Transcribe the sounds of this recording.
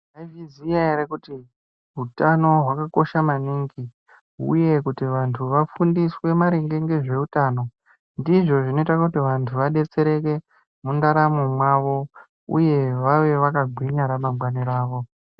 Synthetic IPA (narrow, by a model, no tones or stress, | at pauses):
aviziaeɾekuti | ɦutano̞ɦwakako̞ʃamaniːŋɡi | ɦṵje̞kutiʋantʰuʋafundiswe̞maɾeŋɡe̞ŋɡe̞ʐe̞utaːno̞ | ndiʐo̞ʐino̞itakutiʋantʰuʋaɗe̞t͡se̞ɾe̞ke̞ | mundaɾamumwaʋo̞ | ṵje̞ʋaʋe̞ʋakaɡʱwiɲaɾamamɡwaniɾaːʋo̞